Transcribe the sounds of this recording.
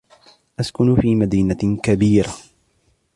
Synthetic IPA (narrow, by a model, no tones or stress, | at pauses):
ʔaskʊnfiːmad̪iːnakabiːɾa